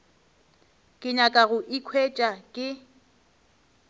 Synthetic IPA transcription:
kʼɪɲakʼaɣʊʔikʰwet͡ʃʼakʼɪ

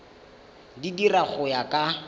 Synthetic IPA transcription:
didiraχʊjakʼa

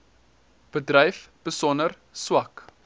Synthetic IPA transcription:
b̥ədrɛjfb̥əsɔnər | swɐk

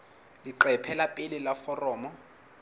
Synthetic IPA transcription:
liǃɛpʰɛlapʼɪlɪlafɔrɔːmɔ

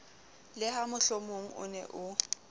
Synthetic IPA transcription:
lɪhamʊɬomoŋ̩ʊ̰nɛ̰ʔʊ

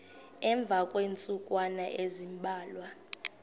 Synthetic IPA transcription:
ɛɱb̪vʱakʼweːnt͡sʼukʼwanaʔezimbʱaːlwa

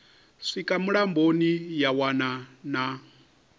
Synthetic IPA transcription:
ʂikʼamuɺambonijawanana

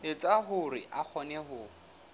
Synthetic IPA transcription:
ɪt͡sʼaɦʊrɪ̰ʔak͡xʰɔnɛɦʊ

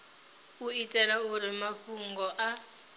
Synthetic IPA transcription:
uitʼɛlauɾimaɸuŋɡɔʔa

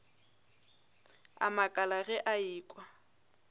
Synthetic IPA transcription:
a̰makʼalaɣɛʔaiːkʼwa

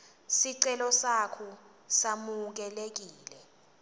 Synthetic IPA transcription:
siǀɛlɔsakʰɔ | samuk̬ɛlek̬iːlɛ

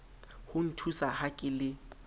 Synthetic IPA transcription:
hʊn̩tʰusahakʼɪlɪ

